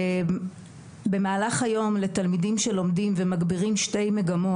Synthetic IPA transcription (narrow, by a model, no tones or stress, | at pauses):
be̞maːlaχajo̞mle̞talmidimʃe̞lo̞mdimvemaɡbiʁimʃte̞jme̞ɡamo̞